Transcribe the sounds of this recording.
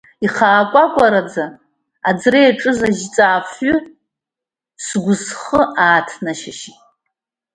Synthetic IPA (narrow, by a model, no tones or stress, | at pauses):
iχaːkʷʼakʷʼaɾad͡za | ad͡zrejaʈ͡ʂʼɨzaʒt͡sʼaːpʰʏ | sɡʷʊzχəaːtʰnaʃaʃi